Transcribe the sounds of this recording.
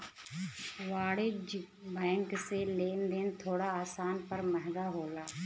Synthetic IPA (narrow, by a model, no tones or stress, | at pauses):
ʋaːɽɪd͡ʒ | bɛ̃ːŋkseleːnd̪eːnt̪ʰoːɽaaːsaːnpəɾməɦɡ̪aːɦoːlaː